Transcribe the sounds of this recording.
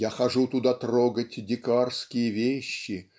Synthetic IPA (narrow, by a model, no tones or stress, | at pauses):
jaxɐʐut̪ʊd̪at̪roɡətʲdʲɪkarskʲɪjəvʲeɕːɪ